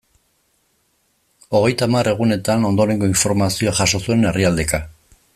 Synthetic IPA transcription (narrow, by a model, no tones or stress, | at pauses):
o̞ɣ̞e̞jt̪amare̞ɣ̞une̞t̪ano̞nd̪o̞ɾe̞ŋɡo̞iɱfo̞ɾmasio̞aʝaʃo̞sue̞ne̞riald̪e̞ka